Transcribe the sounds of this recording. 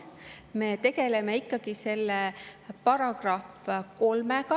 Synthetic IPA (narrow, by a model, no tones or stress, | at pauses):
me̞t̪e̞ɡe̞lemeikːɑɡ̥ise̞lːepɑɾɑɡ̥rɑfko̞lmeɡ̥ɑ